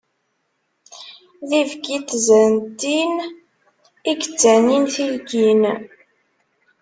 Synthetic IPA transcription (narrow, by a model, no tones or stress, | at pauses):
ðivɡit̪zənt̪ːin | iɡət͡sːæninθilɡin